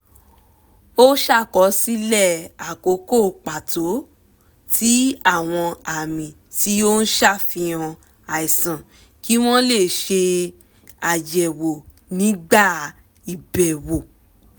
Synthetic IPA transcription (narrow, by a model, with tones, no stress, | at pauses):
o˦ʃa˦˨kɔ˨˧˦si˦lɛ˦˨a˨ko˨˦ko˦˨k͡pa˨to˨˦ | tʰi˦a˦˨w̃ɔ̃˧a˨mĩ˨ | ti˨˦o˦n̩˦ʃa˦˨fĩ˧ɔ̃˧ | a˨i˨sã˨ | ki˦w̃ɔ̃˦le˦˨ʃe˧ | a˨d͡ʒɛ˨wo˨ | nĩ˨˦ɡ͡ba˦˨ | i˨bɛ˨wo˨